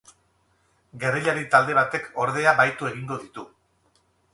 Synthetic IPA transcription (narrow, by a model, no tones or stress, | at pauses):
ɡe̞riʎaɾit̪ald̪e̞βat̪e̞kʰo̞ɾðe̞aβajt̪ue̞ɣ̞iŋɡo̞ðit̪u